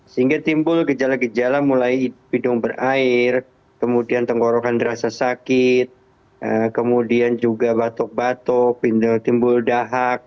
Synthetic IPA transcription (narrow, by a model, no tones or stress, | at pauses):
səɦiŋɡat̪imbʊlɡəd͡ʒalaɡəd͡ʒalamulajpidʊŋbərʔaɪr | kəmudiant̪əŋɡoɾokandiɾasasakɪt̪̚ | ʔəkəmudiand͡ʒuɡabat̪ɔk̚bat̪ɔk̚pit̪imbʊldaɦak̚